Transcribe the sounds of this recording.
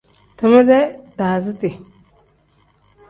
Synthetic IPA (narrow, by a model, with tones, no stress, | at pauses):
tə˨ma˦de˦da˨zi˦ti˨